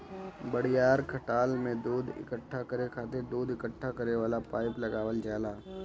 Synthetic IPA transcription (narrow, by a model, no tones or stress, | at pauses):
bəɽɪjaːɾkʰəʈaːlmẽd̪uːd̪ɪ̰kəʈʰːakəɾekʰaːt̪ed̪uːd̪ɪkəʈʰːakɐɾeʋaːlapaːɪplɐɡaːʋəld͡ʒaːlaː